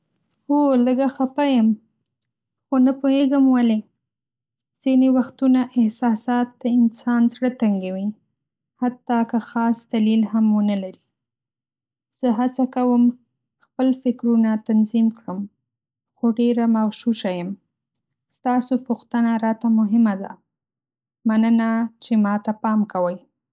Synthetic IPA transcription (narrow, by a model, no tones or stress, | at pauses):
oləɡaxapajəm | xonapoheɡəmwale | z̥inewaxt̪unaʔɪhsɑsɑt̪̚d̪əɪnsɑnzɽət̪aŋɡawi | hat̪ːɑkəxɑsd̪alilhamwənəlaɾi | z̥əɦat͡sakawəm | xpəlfɪkɾunat̪anzimkɽəm | xoɖeɾamawʃuʃajəm | st̪ɑsopʊxt̪ənaɾɑt̪amʊɦɪmad̪a̰ | manənat͡ʃemɑt̪apɑmkawəj